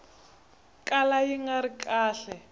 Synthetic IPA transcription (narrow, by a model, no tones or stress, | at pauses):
kʼalajiŋɡaɾikʼaːɬɛ